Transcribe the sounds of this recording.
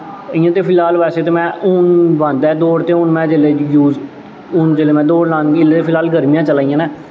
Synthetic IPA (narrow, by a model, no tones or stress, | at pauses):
ɪjãːt̪eːpʰɪlaːlʋɛːseːt̪eːmɛ̃ːʊnʋãːnd̪ɛːd̪oːɽt̪eːʊnmɛ̃ːd͡ʒeːleːjuːd͡ʒ | ʊnd͡ʒeːleːmɛ̃ːd̪oːɽlãːnɡːɪlet̪eːpʰɪlaːlɡəɾmijãːt͡ʃəlaːijãːnɛː